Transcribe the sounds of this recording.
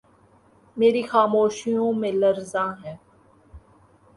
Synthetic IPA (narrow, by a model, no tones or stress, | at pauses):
meːɾixaːmoːʃijõmẽlɐɾzãːɦɛ̃ː